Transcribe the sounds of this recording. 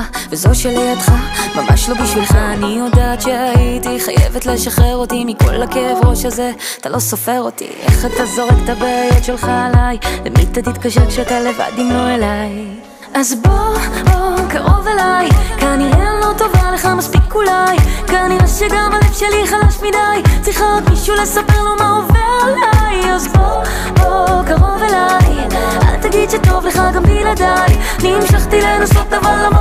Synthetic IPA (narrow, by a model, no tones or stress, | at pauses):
vezo̞ʃeliot̪χamamaʃlo̞biʃvilχaanijo̞d̪aːt̪ʃeait̪iχa̰jḛvet̪leʃaχeʁo̞t̪imiko̞̰lakevʁoʃaze̞ | at̪alo̞sofe̞ʁo̞t̪ḭʔḛχat̪azoʁekt̪abeajotʃe̞lχaːlajlḛmḭt̪at̪it̪kaʃeʁkʃeat̪ale̞va̰d̪imlo̞elaj | ʔazbookaʁo̞velajkanienlo̞t̪o̞valeχamaspikːulajkaniʁaʃeɡamalefʃeliχalaʃmid̪ajt͡siχaot̪miʃulesapeʁlomaovelajazbo | okaʁo̞velaj | ʔa̰lt̪aɡid̪ʃet̪o̞vleχaɡambilad̪ajanimʃaχt̪ilenosotavallamo